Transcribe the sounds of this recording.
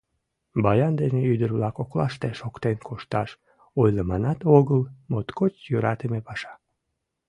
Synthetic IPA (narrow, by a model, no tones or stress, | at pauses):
bɑjɑnd̪eneyd̪ərβlɑkoklɑʃt̪eʃokt̪enkʰoʃt̪ɑʃ | ojləmɑnɑt̪oɣəlmot̪kot͡ɕjøɾɑt̪əmepɑʃɑ̥